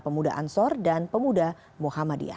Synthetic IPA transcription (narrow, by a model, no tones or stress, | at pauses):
pəmuda̰ʔa̰nsɔrdanpəmuda | muhamadḭa̰